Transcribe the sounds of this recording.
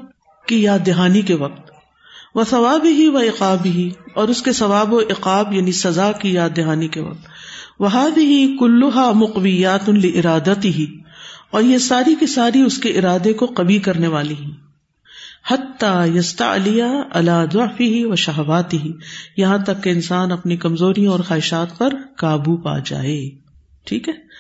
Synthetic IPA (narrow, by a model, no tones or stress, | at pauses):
kijaːd̪ːɪɦaːnikeʋɐq̚t̪ | ʋɐθɐʋaːbɪɦiʋɐɪqaːbɪɦiɔːɾʊskesɐʋaːbkoʔɪqaːbjaːnisɐzaːkijaːd̪ːɪɦaːnikeʋɐ̰q̚t̪ʋɐɦaːðɪɦikʊlːʊɦaːmʊqwɪjːaːt̪lɪʔɪɾaːd̪ɐt̪ɪɦiɔːɾjesaːɾikesaːɾiʊskeʔɪɾaːd̪ekoqɐbikɐɾneʋaːliɦɛ̃ː | hɐt̪ːaːjɐst̪ɐ̰ʕlɪjaɐlaːd̪ʊʕfɪɦiʋɐʃɐɦɐʋaːt̪ɪɦijɐɦãt̪ɐkːeɪnsaːnɐpnikɐmzoːɾijãɔːɾxaːɦɪʃaːt̪̚pɐɾkaːbupa̰ːd͡ʒa̰ːeː | ʈʰiːkɦɛː